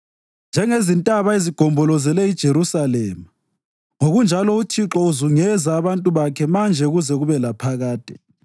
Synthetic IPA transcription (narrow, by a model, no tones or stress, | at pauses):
nd͡ʒʱɛŋezintʼaβaeziɡ̥ʱɔmbʱɔlɔzɛlɛid̥ʒ̥ʱeɾusalɛːma | ŋoɣund͡ʒʱalɔut͡ʃʰiǁɔuzuŋɛzaːβantʼuβakʰɛmand͡ʒʱɛɣuzɛɣuβɛlapʰaɣaːtʼɛ̥